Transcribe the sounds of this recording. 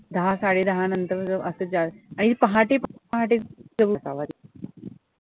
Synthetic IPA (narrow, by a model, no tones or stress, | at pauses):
d̪əɦasaɽed̪əɦanənt̪əɾd͡zəʔəsəd͡zaɭaɽ̃ipəɦaʈepəɦaʈed͡zəbəsa̰ʋad̪